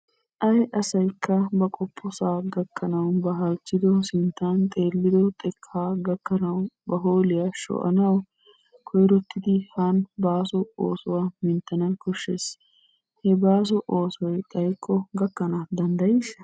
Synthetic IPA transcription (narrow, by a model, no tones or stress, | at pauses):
ʔɐjʔɐsɐjkʰːɐbɐkʼɔpʰːɔsaːɡɐkʰːɐnɐwbɐɦɐlt͡ʃːɪd̪ɔsɪnt̪ːant̪ʼe̞ːlːɪd̪ɔt̪ʼɛkʰːaːɡɐkːɐnɐwbɐɦoːlɪjɐʃɔ̰ːʔɐ̰nɐw | kʰɔjɾɔt̪ʰːɪd̪ɪhanbaːsɔo̰ːsɔwamɪnt̪ːɐnɐkɔʃːes | hɛbaːs̬ɔʔoːsɔjt̪ʼɐjkʼːɔɡɐkːɐnaːd̪ɐnd̪ɐjɪʃ